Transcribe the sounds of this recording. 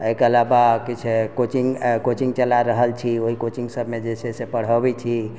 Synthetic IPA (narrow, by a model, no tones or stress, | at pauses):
əkəlabakit͡ʃʰekot͡ʃiŋɡkot͡ʃiŋɡ̚t͡ʃəlaɾəɦəlt͡ʃʰioɦikot͡ʃiŋɡsəbʱmed͡ʒesʰesepəɽ̤əbɛt͡ʃʰi